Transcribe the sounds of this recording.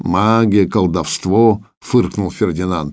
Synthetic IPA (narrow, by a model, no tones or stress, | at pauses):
maɡʲɪəkəlˠd̪ɐfst̪vo | fɨrknʊlˠfʲɪrdʲɪnant̪